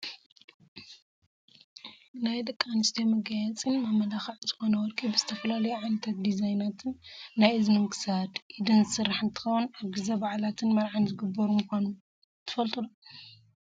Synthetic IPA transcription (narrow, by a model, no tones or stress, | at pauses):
najd̪ɐkʼːanɨst̪ʰemɐɡajat͡sʼinmamːɐlaxɐʕzɨxo̞nɐwɔɾkʰʼibɨzɨt̪ʰɐfɐlalɐjuʕanɐt̪ʰat̪̚d̪izajnat̪ʰɨnːajɨzmɨnkʰɨ̥sad̪ʔid̪ɨnzɨsɨɾːaħɨnt̪ʰɨ̥xɐwunaβɡɨzɐbaʕlat̪ʰɨnmɐɾʕanzɨɡɨbːɐɾumɨkʷanu | t̪ʰːɨ̥fɐlt̪ʼulu